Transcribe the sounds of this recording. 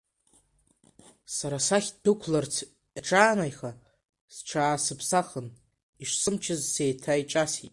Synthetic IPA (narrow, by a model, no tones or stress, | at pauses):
saɾasaχʲdɨkʷʰlart͡sʰ | aʈ͡ʂʰʼaːnajχa | z̥ʈ͡ʂʷʰaːsɨpʰsaχən | iʂsɨmt͡ʃʰɪzse̞ːtʰajt͡ʃʼasitʼ